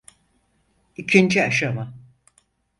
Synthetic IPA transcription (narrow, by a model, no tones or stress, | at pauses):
icʰind͡ʒiaʃama